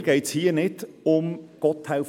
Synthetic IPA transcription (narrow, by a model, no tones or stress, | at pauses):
ɡ̥ɛɪtshiːənɪd | ʊmɡ̥ɔthaʊf